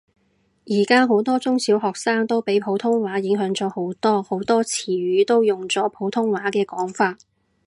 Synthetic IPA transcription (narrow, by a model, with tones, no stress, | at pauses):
jiː˨˩kaː˥ɦo˨˥wt̪ɔː˥t͡sʊ˥ŋsiː˨˥wɦɔː˨k̚saː˥ŋt̪o˥wpe˨˥jpʰo˨˥wt̪ʰʊ˥ŋwaː˨˥jɪ˨˥ŋɦœː˨˥ŋt͡sɔː˨˧˥ho˨˥wt̪ɔː˥ho˨˥wt̪ɔː˥t͡sʰiː˨˩ɥyː˨˥t̪o˥wjʊ˨ŋt͡sɔː˨˥pʰo˨˥wt̪ʰʊ˥ŋwaː˨˥kɛː˧kɔː˨˥ŋfaː˧t̚